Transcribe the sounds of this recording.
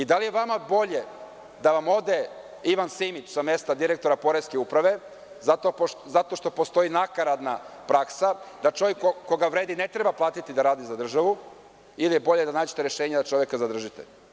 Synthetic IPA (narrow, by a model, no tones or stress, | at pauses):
id̪alijeʋamabo̞ʎe̞ | d̪aʋamo̞d̪e | iʋansimit͡ɕsamest̪ad̪iɾe̞kt̪oɾapo̞ɾeske̞upɾaʋe̞ | zat̪ozat̪o̞ʃt̪o̞post̪o̞inakaɾad̪napɾaksad̪at͡ʃo̞ʋjekːokːoɡaʋɾe̞ːd̪ine̞t̪ɾe̞baplˠaːt̪it̪id̪aɾaːd̪izad̪r̩ʒaʋu | ilijebo̞ʎed̪anaːd͡ʑet̪eɾjeʃeːɲad̪at͡ʃo̞ʋje̞kazad̪r̩ʒit̪ḛ